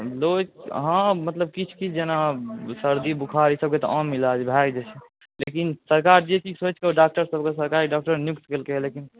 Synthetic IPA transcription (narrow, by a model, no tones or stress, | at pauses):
lokɦãmət̪ləb̚kit͡ʃʰkid͡ʒenasəɾd̪ibukʰaɾisəb̚ket̪ɔʔãmːilad͡ʒbʱajd͡ʒet͡ʃʰe | lekinsəɾkaɾd͡ʒet͡ʃʰisot͡ʃkeoɖak̚ʈəɾsəbkesəɾkaɾiɖak̚ʈəɾnjukt̪kelkelekin